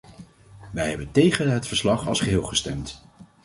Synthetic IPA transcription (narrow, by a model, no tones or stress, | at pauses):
ʋɛjɦɛbəntejχənɦətfəɹslɑχɑ̰lˠsχəɦɪːlˠχəstɛmt